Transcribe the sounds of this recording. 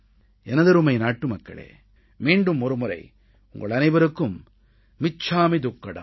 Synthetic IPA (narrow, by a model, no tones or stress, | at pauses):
ɛnɐðɐɾɯmɐɪnaːʈːɯmɐkːɐ̰ɭḛː | miːɳɖɯmɔɾɯmʊrɐ̰ɪ | ʊŋɡɐ̰ɭɐnɐɪbɐɾɯkːɯmː | ɪt͡ʃːaːmid̪ʊkːɐɽɐ̰